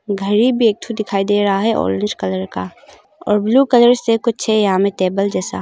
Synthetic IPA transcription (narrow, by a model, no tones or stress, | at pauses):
ɡʱəɾibʱieːk̚t̪ʰud̪ɪkʰaːid̪eːɾɐɦaɦɛʔɔ̰ːɾɪ̃nd͡ʒkɐləɾka̰ | ɔ̰ːɾbluːkələɾsekʊt͡ʃʰɛjɐɦãmẽt̪eːbəld͡ʒɛːsa̰ː